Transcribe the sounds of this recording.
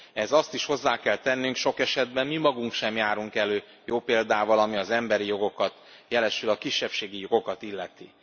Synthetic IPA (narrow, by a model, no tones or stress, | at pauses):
ɛzɒst̪iʃho̞zːaːkɛlt̪ɛnːyŋkʃo̞kɛʃɛd̪bɛnmimɒɡuŋkʃɛmjaːɾuŋkɛløː | joːpeːld̪aːvɒlɒmiɒzɛmbɛɾijo̞ɡo̞kɒt̪ | jɛlɛʃylɒkiʃːɛpʃeːɡijo̞ɡo̞kɒt̪ilːɛt̪i